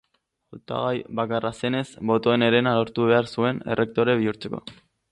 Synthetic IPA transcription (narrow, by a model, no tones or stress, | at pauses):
ot̪a̰ɣajbakarase̞ne̞sbo̞t̪o̞ene̞ɾe̞nalo̞ɾt̪uβe̞aɾsue̞ne̞̰rʔe̞k̚t̪o̞ɾe̞βiuɾt͡se̞ko̞̰